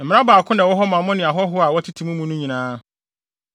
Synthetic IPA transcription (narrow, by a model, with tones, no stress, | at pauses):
m̩˨m˦ã˦baː˨kʰʊ̃˦nã˨wɔ˦ɦɔ˦mã˨˦mʊ̃˦nɪ̃˨a˨ɦɔ˦ɦʊ˦a˨wɔ˦tʰi˦tʰi˨mũ˦mũ˦nʊ̃˦ɲĩ˨nãː˦